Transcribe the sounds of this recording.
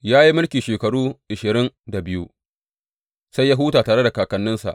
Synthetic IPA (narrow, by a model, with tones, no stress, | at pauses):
jaː˦ji˦mɪ˦lkʲiː˨ʃeː˨kɐ˨ɽuː˦ʔɪ˨ʃɪ˨ɾɪ˦nda˨bɪ˦ju˦ | sa˦jːa˦ɦuː˦taː˨taː˨ɽe˦da˨kaː˨kɐ˨˦nːɪ˦nsa̰˨ʔ